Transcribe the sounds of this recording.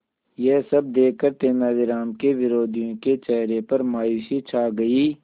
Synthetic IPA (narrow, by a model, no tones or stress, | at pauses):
jesɐb̚d̪eːəɾt̪eːmaːʋɪɾaːmkeʋɪɾoːd̪ʱijõket͡ʃɛːɦɾepɐɾmaːjuːsit͡ʃʰaːɡɐiː